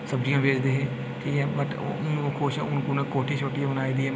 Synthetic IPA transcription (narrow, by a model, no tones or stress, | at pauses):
səbɾiãːʋeːd͡ʒd̪eːɦeː | ʈʰiːkɛːbəʈ | nkʰoːʃɛ̰ʊnkunẽːkoːʈʰiːt͡ʃʰoːʈijaːbənaːiːd̪iːɛː